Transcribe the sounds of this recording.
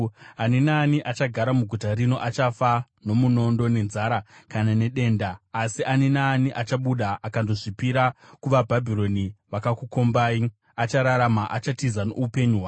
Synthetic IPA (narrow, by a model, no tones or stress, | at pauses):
aninaːniʔat͡ʃaɡʱaɾamuɡʱutaɾino̞ʔat͡ʃafa | no̞muno̞ndo̞ne̞nzaɾakanane̞ɗe̞ːndaːsiʔaninaːniʔat͡ʃaɓuɗaʔakandoʐipiɾakuʋabʱabʱiɾo̞niʋakakuko̞mbaːi | at͡ʃaɾaɾamaʔat͡ʃatizano̰upe̞ɲuɦwa